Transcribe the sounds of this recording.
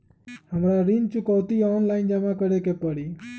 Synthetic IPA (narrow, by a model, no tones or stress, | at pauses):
həmɾaɾint͡ʃukəʋt̪iɔnlaɪnd͡ʒamãkəɽekepəɽiː